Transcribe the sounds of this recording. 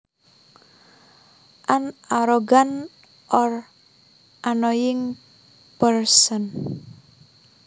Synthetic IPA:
ʔanaɾɔɡan | ʔɔr | ʔanɔjɪŋ | pərsən

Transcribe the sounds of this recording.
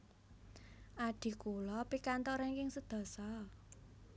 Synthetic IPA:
ʔaɖ̪̥i̤kulɔpikant̪ɔɾɛnkɪŋsəd̪̥ɔ̤sɔ

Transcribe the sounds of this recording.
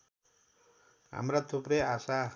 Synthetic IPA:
ɦa̰mrat̪ʰuprʌjasa

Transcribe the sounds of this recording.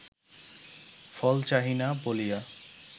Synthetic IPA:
fɔlt͡ɕaɦinabolija

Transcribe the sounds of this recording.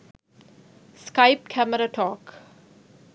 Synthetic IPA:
skaɪp̚kʰæməɾaʈʰɔːk

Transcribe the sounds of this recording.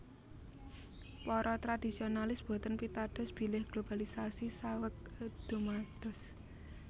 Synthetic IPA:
pɔɾɔt̪ɾad̥i̤sionalɪsb̥o̤t̪ənpit̪ad̥ɔ̤sb̥i̤lɪhɡ̥lob̥alisasisawək̚d̪̥ṳmad̪̥ɔ̤s

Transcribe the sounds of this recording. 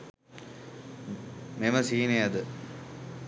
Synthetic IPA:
memɐsiːnejɐd̪ɨ

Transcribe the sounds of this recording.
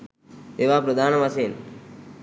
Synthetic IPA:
eːʋaːpɾɐd̪aːnɐmɐseːn

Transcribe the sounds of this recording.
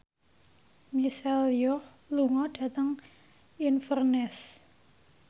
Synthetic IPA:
misaljɔh | luŋɔɖ̥a̤t̪əŋ | infərnɛs

